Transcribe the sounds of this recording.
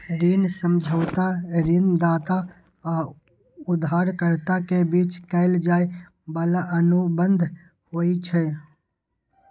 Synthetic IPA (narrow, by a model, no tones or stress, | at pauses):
ɾinsəmd͡ʒʱəːt̪aɾɪnd̪aːt̪a | a | ʊd̪ʱaːɾkəɾt̪akebit͡ʃkəɪld͡ʒaːi | bəlaʔənubənd̪ʱ | hoit͡ʃʰɛ